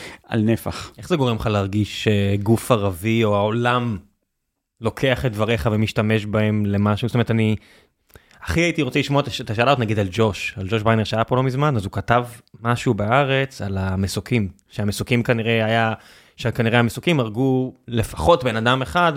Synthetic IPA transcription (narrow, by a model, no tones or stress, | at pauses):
a̰lnefa̰χʔe̞χzeɡo̞ʁemχaleaʁɡiʃeɡufaʁavio̞aolam | lo̞kʰe̞aχet̪̚dvaʁeχavemiʃtame̞ʃbae̞mle̞maʃuzotomeet̪ani | aχiait̪iʁot͡seliʃmoet̪aʃet̪aʃaalaotnaɡid̪ald͡ʒo̞ʃald͡ʒo̞ʃbajneʁʃeajapolo̞mizmanazukatavmaʃubaaʁet͡salamesukʰim | ʃeamesukimkaniʁe̞aja | ʃekaniʁeamesukimaʁɡule̞fḁχo̞tbe̞nadameχad